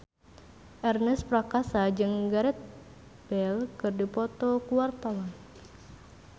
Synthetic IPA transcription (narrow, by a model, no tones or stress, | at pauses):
ʔɛrnɛspɾakasad͡ʒɨŋɡaɾɛt̪̚ | b̥ɛlkɨrdipɔt̪ɔkuwart̪awɔn